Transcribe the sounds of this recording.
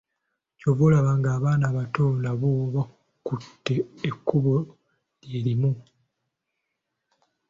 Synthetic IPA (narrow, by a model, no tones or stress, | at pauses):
coβolaβaŋɡaːβaːnaːβatoːndaβoβa | kutːe̞ːkːuβo | lje̞ːlimu